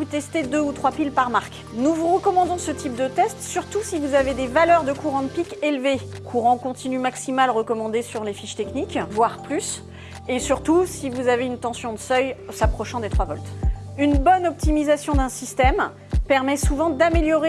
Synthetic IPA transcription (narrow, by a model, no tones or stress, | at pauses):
vut̪ɛst̪ed̪øut̪χwapilpaʁmaʁk | nuvuʁəkɔmɑ̃d̪ɔ̃sət̪ip̚d̪ət̪ɛst̪syʁt̪usivuzaved̪evalœʁd̪əkuʁɑ̃d̪əpikelve | kʰuʁɑ̃kɔ̃t̪inymaksimalʁəkɔmɑ̃d̪esyʁlefiʃt̪ɛknikvwaʁplys | esyʁt̪usivuzaveynt̪ɑ̃sjɔ̃d̪əsœjsapχɔʃɑ̃d̪et̪χwavɔlt̪ | ynbɔnɔp̚t̪imizasjɔ̃d̪ɛ̃sist̪ɛm | pɛʁmɛsuvɑ̃d̪ameljɔʁe